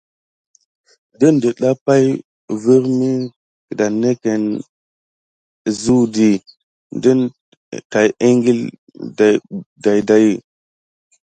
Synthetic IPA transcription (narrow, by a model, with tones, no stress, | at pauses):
də˦ndə˨ɗa˦pa˦j | və˦ɾmi˦ | kə˨da˨ne˦ke˨n˨ | zu˦di˨ | ndə˦n | ka˨je˦ŋɡi˦l | da˨da˨jda˦ji˨